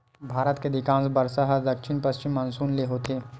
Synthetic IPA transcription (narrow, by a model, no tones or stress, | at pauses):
bʱaːɾət̪ked̪ɪkãːnsbəɾsaɦəd̪ɐkʃɪnpɐst͡ʃɪmːɐnsuːnleɦoːt̪eː